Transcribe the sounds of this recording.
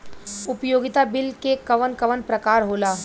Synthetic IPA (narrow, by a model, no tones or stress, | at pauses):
ʊpjoːɡɪt̪abɪlkekɐʋənkɐʋənpɾɐkaːɾɦoːlaː